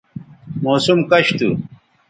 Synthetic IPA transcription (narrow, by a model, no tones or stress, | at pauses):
moːsumkɐɕt̪u